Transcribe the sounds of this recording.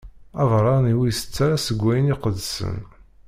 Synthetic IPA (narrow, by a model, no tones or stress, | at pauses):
ævɾˤɑniwijsə̥t͡sːaɾasəɡʷːæjəniqəd̪sə̰n